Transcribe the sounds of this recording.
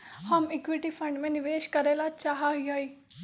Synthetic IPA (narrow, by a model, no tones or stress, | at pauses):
həmɪkʋiʈiːpʰəɳɖmẽːnɪʋeːʃkəɾeːlaːt͡ʃaːɦaːiɦoːiː